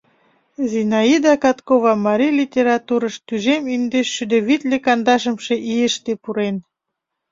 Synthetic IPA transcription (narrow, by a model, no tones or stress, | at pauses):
zinɑid̪ɑkɑt̪koβɑmɑɾijlʲitʲeɾɑt̪uɾɤ̆ʃt̪yʒemind̪eʃʃyd̪øβit̪lʲekɑnd̪ɑʃə̆mʃeʔijəʃt̪epuɾen